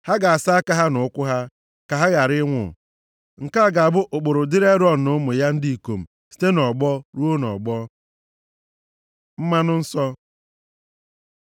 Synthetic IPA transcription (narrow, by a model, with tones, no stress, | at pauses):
ha˦ɡa˨a˨sa˦a˦ka˦ɦa˦nʊ˨ʊ˦kʷʊ˦ɦa˦ | ka˨ɦa˦ɡa˨ɾɪ˦ŋʷʊ̰˨ | ŋ̩˨ka˦˨ɡa˨a˨bʊ˦ʔʊ˨k͡po˨ɾʊ˨dɪ˦ɾe˦ɾɔ˦˨n̩˨nʊ˦mʊ˨ja˦n̩˦di˦i˨ko˨m̩˨ | si̥˦te˦nɔ˨ɡ͡bɔ˦ɾu˦o˦nɔ̰˨ɡ͡bɔ˦ | m̩˦ma˦nʊ˦n̩˦sɔ˦